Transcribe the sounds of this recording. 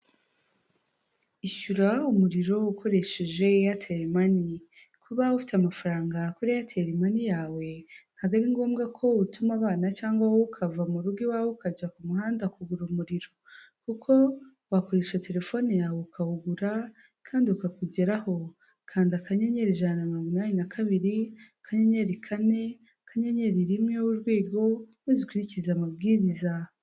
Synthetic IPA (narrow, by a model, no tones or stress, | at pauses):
iʃuɾaumuɾiɾo̞ukʰo̞ɾe̞ʃe̞ʒe̞jatʰeɾimani | kʰuβaufi̥tamafaɾaːŋɡakuɾijatʰeɾimanijaːwe̞n̥haɡaɾiŋɡo̞ːmɡakʰo̞utumaβaːnat͡ʃaːŋɡwawokʰavamuɾuɡiwaːwokad͡ʒakumuɦaːndakuɡuɾumuɾiɾo̞ | kukʰo̞ | wakoɾeʃate̞ɾe̞fo̞nejaːweukauɡuɾa | kʰaːndiukakuɟe̞ɾaho̞ | kʰaːndakaɲeɲe̞ɾiʒananoɡinaːninakʰaβiɾi | kʰaɲeɲeɾikʰane̞ | kʰaɲeɲe̞ɾiɾimɲowuɾɡwiːɡo̞mwizikwiɾicizamab̚ɡiːɾiza